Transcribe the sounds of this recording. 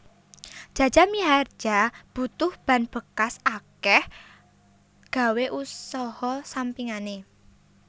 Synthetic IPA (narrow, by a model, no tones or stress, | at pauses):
d̥ʒ̥a̤̥d͡ʒ̥a̤miar̥ʒ̥ab̥ṳt̪ʊhb̥a̤nb̥ə̤kasakɛh | ɡ̥a̤weʔusɔhɔsampiŋane